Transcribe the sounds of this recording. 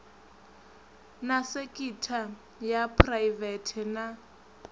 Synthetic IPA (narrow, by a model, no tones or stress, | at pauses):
nasekʼitʰa | japʰrajvɛtʰɛna